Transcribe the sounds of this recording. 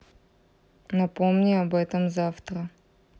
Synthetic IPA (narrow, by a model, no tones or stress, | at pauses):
nɐpɔmnʲiɐbɛt̪əmzaft̪ɾə